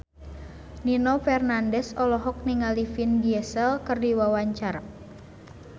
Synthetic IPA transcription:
ninɔfɛrnandɛsɔlɔɦɔk̚niŋalifinɡiɛsɛlkɨrdiwawaɲt͡ʃar

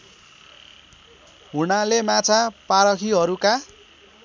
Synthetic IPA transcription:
ɦunalemat͡sʰapaɾʌkʰiɦʌɾuka

